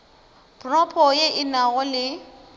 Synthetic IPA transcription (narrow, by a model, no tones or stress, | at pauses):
pʰʼrɔpʰɔjeʔɪnaɣɔlɪ